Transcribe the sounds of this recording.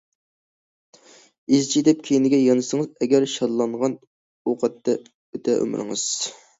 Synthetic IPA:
izt͡ʃʰid̪ɛp̚kʲʰejinɪɡʲɛjɑnɨsəŋɨzɛɡʲɛɾʃɑɾlˠɑɴʁɑn | oqʰɑt̪ːɛ | øt̪ʰɛʔø̰mɾɨ̰ŋɨz̥

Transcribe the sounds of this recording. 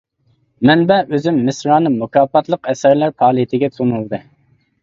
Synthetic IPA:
mɛnbɛøzymːɪsɾɑːnɨmukʰɑːpɑt̪lˠəqɛsæɾlæɾpʰɑːlˠijit̪ʰɪɡʲɛt̪ʰonulˠd̪ɨ

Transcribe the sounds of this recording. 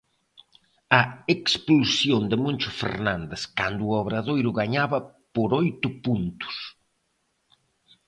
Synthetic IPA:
ɐeksplusjond̪ɪmõnʲt͡ʃʊfḛɾnand̪ɪskand̪ʊːɔβɾaðojɾʊɣaɲaβɐ | poɾojt̪ʊpunt̪ʊ̥s

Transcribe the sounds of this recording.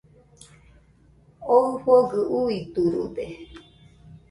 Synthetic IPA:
oɸoɡɨʔuit̪uɾṵde

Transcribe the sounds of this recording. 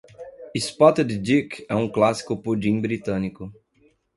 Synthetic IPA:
ispɔt̪ed̪d̪ikɛũklasi̥kʊpud͡ʒĩbɾit̪ɐ̃nikʊ

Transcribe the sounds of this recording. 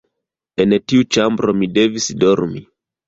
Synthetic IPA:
ɛntiut͡ʃambɾomidɛvisdoɾmi

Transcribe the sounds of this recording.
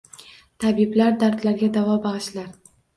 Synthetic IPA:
t̪ʰabiblaɾd̪aɾd̪laɾɡʲad̪avɒbaʁɨʃlaɾ

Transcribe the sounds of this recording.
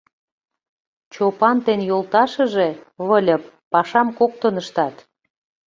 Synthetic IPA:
t͡ɕopɑnt̪enjolt̪ɑʃə̆ʒeβəlʲə̆pːɑʃɑmkok̚t̪ənəʃt̪ɑt̪

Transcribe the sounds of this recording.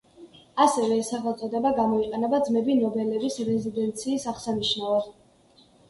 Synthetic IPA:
asɛvɛːsaχɛt̪sʼɔd̪ɛbaɡamɔiqʼɛnɛbad̪zmɛbinɔbɛlɛbisɾɛzid̪ɛnt̪sʰiːsaχsaniʃnavɔ

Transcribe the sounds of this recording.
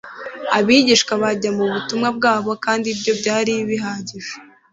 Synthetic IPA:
aβiːɟiʃkwaβaɟamuβutumŋab̚ɡaːβo̞kaːndibɟo̞bɟaːɾiβiɦaːɟiʒ̥e

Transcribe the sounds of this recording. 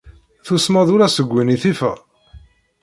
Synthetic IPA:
θusmæðʊɾæsəɡʷːiniθifæ̰

